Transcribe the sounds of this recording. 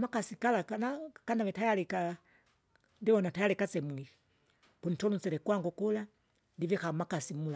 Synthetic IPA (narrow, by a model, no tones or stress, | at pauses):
makasikalakanakanaβɛtajalika | ndiβɔnatajalikat͡sɛmwii | punitɔlut͡sɛɾɛkwaŋɡukula | ndivɛxamakasimula